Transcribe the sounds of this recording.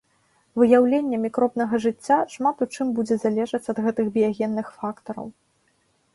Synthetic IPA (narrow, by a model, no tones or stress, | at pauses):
vɨjawlʲenʲːɛmʲikɾɔbn̪ɐɣɐʐɨt͡sʲːaʂmat̪ut͡ʂɨmbud͡zʲɛzalʲɛʐɐt͡sʲɐd̪ɣɛt̪ɨxbʲijaɣʲɛnːɨxfakt̪ɐɾɐ̰w